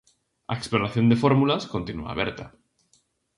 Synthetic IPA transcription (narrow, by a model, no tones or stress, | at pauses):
a̰eksploɾaθjo̞nd̪efo̞ɾmulasko̞nt̪inua̰βeɾt̪a